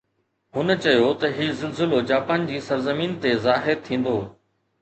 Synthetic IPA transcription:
ɦʊnət͡ɕɐjot̪ɐɦizɪlzɪlod͡ʑaːpaːnd͡ʑiːsɐɾzəmiːnt̪ezaːɦɪɾt̪ʰĩːn̆d̪oː

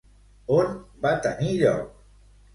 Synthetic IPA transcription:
onbat̪aniʎa̰w

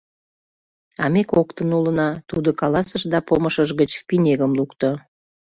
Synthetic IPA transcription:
ɑmekokt̪ənulənɑt̪ud̪okɑlɑsəʃd̪ɑpoməʃəʒɣət͡ɕpinʲeɣəmlukt̪o

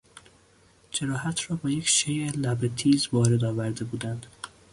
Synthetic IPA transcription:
d͡ʒeɾɒːhæt̪ʰrɒːbɒːjecʰʃejelæbet̪ʰiːzvɒːɾe̞d̪ɒːvæɾd̪e̞buːd̪ænd̪̥

